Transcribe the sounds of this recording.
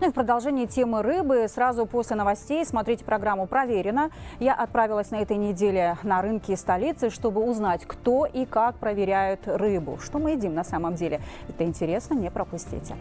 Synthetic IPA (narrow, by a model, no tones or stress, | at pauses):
nufpɾəd̪ɐlˠʐɛnʲɪːɪtʲe̞mɨrɨbɨsɾazʊpo̞sʲlʲɪnəvɐsʲtʲejsmɐt̪ɾʲitʲɪ̥pɾɐɡɾamːʊpɾɐvʲeɾʲɪnəjaʔɐt̪̚pɾavʲɪlˠəsʲnɐɛt̪əjnʲɪdʲelʲɪnɐɾɨnkʲɪːst̪ɐlʲit̪sɨʂt̪o̞bɨʊznatʲkt̪o̞ʔikak̚pɾəvʲɪɾʲæjʊt̪rɨbʊ̰ʂt̪o̞mɨɪdʲimnɐsaməmdʲelʲɪ | ɛt̪əɪnʲtʲɪɾʲe̞snənʲɪpɾəpʊsʲtʲḭtʲɪ